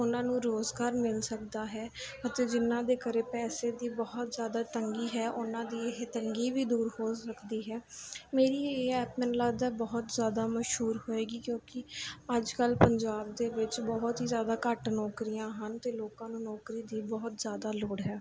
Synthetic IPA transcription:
ʊnãːnũːɾoːzɡaːɾmɪnsəkd̪aːɦɛːət̪eːd͡ʒɪnãːd̪eːkəɾeːpɛːseːd̪iːbɔːʊt̪zjaːd̪aːt̪əŋɡiːɦɛːʔʊnãːd̪iːɪɦet̪əŋɡiːʋiːd̪uːɾhoːsəkd̪iːɦɛːmeːɾiːeːɛːpmɛnlaːɡd̪aːbɔɦt̪zjaːd̪aːməʃɦuːɾhoːeːɡiːkjõːkɪəd͡ʒkəlpəɲd͡ʒaːb̚d̪eːʋɪt͡ʃbɔɦt̪ɦiːzjaːd̪aːkəʈnɔːkɾijãːɦənt̪eːloːkãːnũːnɔːkɾiːd̪iːbɔːt̪zjaːd̪aːloːɽɦɛː

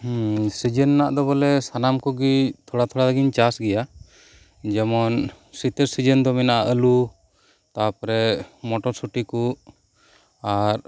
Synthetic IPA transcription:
sid͡ʒənːaʔd̪ɔbɔlɛsanamkɔɡit̪ʰɔɽat̪ʰɔɽalaɡiɲt͡ʃasɡɛja | d͡ʒɛmɔn | sit̪əɾsid͡ʒənd̪ɔmɛnaʔaʔəlu | t̪apɔɾɛmɔʈɔɾsuʈiku | aɾ

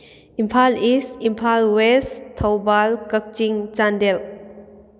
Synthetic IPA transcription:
impʰalisimpʰalwestʰawbalkək̚t͡ʃiŋt͡ʃandel

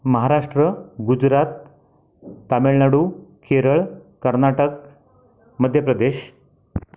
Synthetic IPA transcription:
məɦaɾaʂʈɾəɡud͡zɾat̪̚ | ameɭnaɽukʰeɾəɭkəɾnaʈək | məd̪ʱjəpɾəd̪eɕ

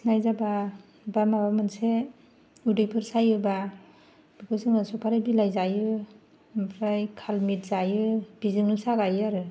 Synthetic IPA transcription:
najzaba | bamabamɯnse | udɯjpʰɯɾsajɯba | b̥ikʰɔsɯŋasɔpʰaɾajbilajzajɯ | mpʰɾajkʰalmit̚zajɯbizɯŋɯsaɡajɯaɾɯ

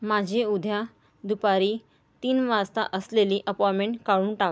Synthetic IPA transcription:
mad͡ʑʱiud̪ʱja | d̪upaɾiː | t̪iːnʋast̪a̰ʔəsleliʔəpɔjmeɳʈkaɭuːnʈak

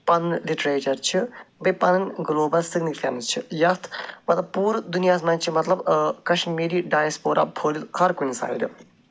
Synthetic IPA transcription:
pɐnnliʈɾeːt͡ʃɐɾt͡ʃʰibɐpɐnɐnɡloːbɐlsiɡnikfʰḛːmst͡ʃʰijɐst̪ʰmɐt̪lɐbpuːɾd̪unijaːs̬mɐːnt͡ʃʰimɐt̪lɐbkɐʃnmeːɾiːɖaːjɐspoːɾʔa̰ːpʰoːlit̪hʰɐɾkunisa̰ːjḭd̪u

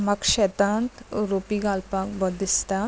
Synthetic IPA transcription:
mɐkʃet̪aːnt̪ɾoːpiɡaːlpaːkbɔd̪ɪst̪aː

